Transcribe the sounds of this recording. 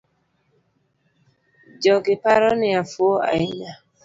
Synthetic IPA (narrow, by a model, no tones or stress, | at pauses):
d͡ʒɔɡɪpaɾɔnɪafuoa̰ɪɲa